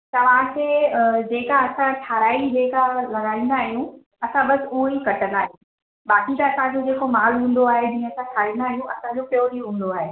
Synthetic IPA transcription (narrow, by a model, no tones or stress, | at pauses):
t̪ɐʋ̤ãkʰeːd͡ʑeːkaɐsãʈʰaːɾaːid͡ʑeːkalɐɡaːĩːn̆d̪aːɦijũ | ɐsãɓɐsɪʊɦoikɐʈənaːɦjũ | ɓaːkit̪ɐɐsãɲd͡ʑod͡ʑeːkomaːlɦũːn̆d̪oaːɦed͡ʑĩːə̃ɐsãʈʰaːɾĩːn̆d̪aːɦijũɐsãɲd͡ʑopjoːɾijoɦũːn̆d̪oaːɦeː